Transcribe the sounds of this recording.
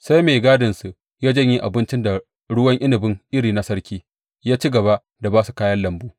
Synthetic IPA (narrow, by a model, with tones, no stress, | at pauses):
sa˦jmeː˨ɡaː˦dɪ˨nsu˨ | jaː˦d͡ʒɐ˦ɲji˦ʔa˨bɪ˦nt͡ʃɪ˦nda˨ | ɽʊ˦wɐ˦ŋʔɪ˦nɪ˨bɪ˦ŋʔɪ˦ɽiː˨na˦sɐ˦ɽkʲiː˦ | jaː˦t͡ʃi˦ɡɐ˨βa˦ʔ | da˨baː˦su̥˨kaː˦jɐ˦nlɐ˨mbuː˦